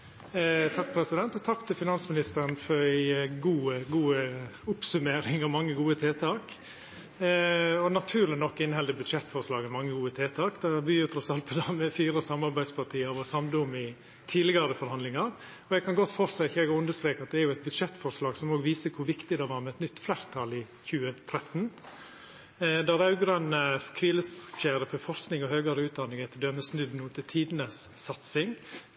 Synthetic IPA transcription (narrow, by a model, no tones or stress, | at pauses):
t̪ʰɑk̚ːpʰɾɛsɪd̪ɛnt̪ɔt̪ʰɑkːt̪ʰɪlfɪnɑnsmɪnɪst̪əɾənfɔɾæɪɡuːɡuːəʊpsʉmeːɾɪŋɔmɑŋːəɡuːət̪ʰeːt̪ʰɑːk | ɔnɑt̪ʰʉːɾlɪnɔkːɪnhɛld̪əbʉd̪̥ʂɛt̪ːfɔɾʂlɑːɡmɛmɑŋːəɡuːət̪ʰeːt̪ʰɑːkd̪ɑbyːət̪ʰɾɔsɑlt̪̚pʰɔd̪ɑmɛfiːɾəsɑmːɑɾbæɪspʰɑʈʰiːəɾʋɔsɑmd̪əʊmɪ | t̪ʰiːlɪɡɑɾəfɔɾhɑnlɪŋɑɾ | ɔɛɡkɑnɡɔt̪ːfɔɾsɛçɛɡʉnd̪əst̪ɾeːkɑt̪̚d̪ɛæɾjʊɛɪt̪̚bʉd̪ʂɛt̪ːfɔɾʂlɑːɡsɔmoːɡʋiːsəkʰʊɾʋɪkt̪ɪd̪ɛʋɑːɾmɛɛt̪nʏt̪ːflæːɾt̪ʰɑlɪ | çʉːət̪ʰɾɛt̪n | d̪æɾɑʉɡɾœnəkʰʋiːləsɕeːɾəfɔɾfɔɾsknɪŋɔhøːɡɑɾəʉːt̪̚d̪ɑnːɪŋɛt̪ːəɖ̪œmːəsnʉd̪nuːət̪ɪt̪ʰiːd̪nəsːɑt̪sɪŋ